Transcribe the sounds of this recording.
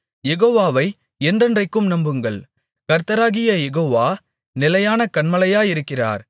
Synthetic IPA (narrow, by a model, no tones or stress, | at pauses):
jɛɣoːʋaːʋɐɪ | ɛndrɐndrɐɪkːɯmnɐmbɯŋɡɐɭ | kɐɾt̪ːɐɾaːɣɪjɐjɛɣoːʋaː | nɪlɐjaːnɐkɐɳmɐlɐjaːjɪɾɯkːɪra̰ːɾ